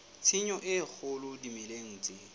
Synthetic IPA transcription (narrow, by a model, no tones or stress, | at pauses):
t͡sʰiɲɔʔɪk͡xʰʊlʊdimɪleŋ̩ːt͡sʼɪ